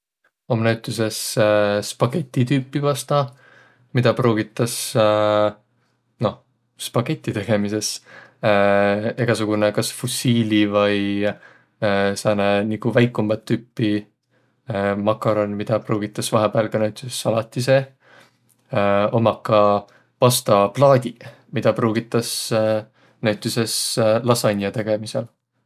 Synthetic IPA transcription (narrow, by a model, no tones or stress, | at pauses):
o̞mnæwt̪ˑːuse̞sspɑke̞t̪ʲːˑit̪yːpːˑivɑst̪ɑ | mid̪̥ɑpruːɡ̥it̪ːˑɑs | no̞ | spɑke̞t̪ʲːˑit̪e̞ɡ̥e̞mise̞s | e̞ɡ̥ɑsuɡ̥unekɑsfusiːlʲivɤj | sɑːnenikuvæjkːˑumːɑt̪ːypːi | mɑkːˑɑɾo̞nmid̪̥ɑpruːɡ̥it̪ːˑɑsvɑɦebeɑlkɑnæwt̪ʲˑisesɑlɑt̪ʲːˑise̞ | o̞mɑkːɑ | pɑst̪ɑplɑːd̪̥ʲi | mid̪̥ɑpruːɡit̪ːˑɑs | næɥt̪ːˑise̞slɑsɑnʲjɑt̪e̞ɡ̥e̞misel